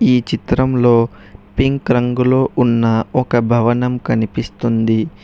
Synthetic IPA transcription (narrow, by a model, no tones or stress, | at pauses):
iːt͡ʃit̪ɾɐmlo̞ː | piŋkɾɐŋɡulo̞ːʔunːɐɔkɐbʱɐʋɐnɐmkɐnipist̪und̪i